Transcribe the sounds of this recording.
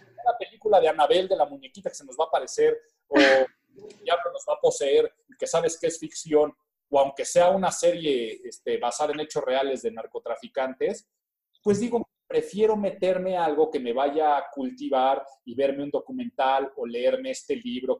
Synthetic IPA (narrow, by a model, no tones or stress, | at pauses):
meɾape̞likulaðe̞anaβe̞ld̪e̞lamũɲekit̪akeseno̞zβaːpaɾe̞se̞ɾ | o | ejaβlono̞zβapo̞se̞e̞ɾ | ike̞saβe̞skeesfiksjo̞n | oawŋke̞se̞aunase̞ɾje̞est̪e̞βasaðae̞ne̞t͡ʃo̞sre̞ale̞zðe̞naɾko̞t̪ɾafikant̪e̞s | pwe̞zðiɣo̞ | pɾe̞fje̞ɾo̞me̞t̪e̞ɾme̞alɣo̞ke̞me̞βaʝaːkult̪iβaɾiβe̞ɾme̞ũnd̪o̞kumẽ̞nt̪alo̞le̞eɾme̞est̪e̞liβɾo̞